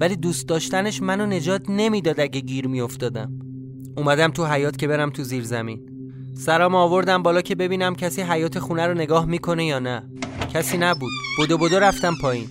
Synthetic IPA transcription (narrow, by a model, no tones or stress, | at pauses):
væliːd̪uːst̪̚d̪ɒːʃt̪æne̞ʃmænone̞d͡ʒɒːt̪ʰne̞miːd̪ɒːd̪æɟeɟiːɾmijo̞ft̪ɒːd̪æm | umæd̪æmt̪ʰuɦæjɒːt̪cʰe̞be̞ɾæmt̪ʰuziːɾzæmḭːn | sæɾɒːmɒːvo̞ɾd̪æmbɒːlɒːcʰe̞be̞biːnæmcʰæsiːɦæjɒːt̪ʰe̞xuːnæɾone̞ɡɒːhmiːkʰo̞ne̞jɒːnæ | cʰæsiːnæbuːd̪̥̚b̥od̪obod̪oɾæft̪æmpʰɒːjiːn